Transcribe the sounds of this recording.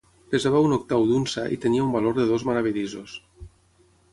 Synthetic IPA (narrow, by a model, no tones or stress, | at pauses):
pezaβaunok̚t̪awðunsaʔḭt̪eniaumbaloɾðeðozmaɾaβ̞iʎizos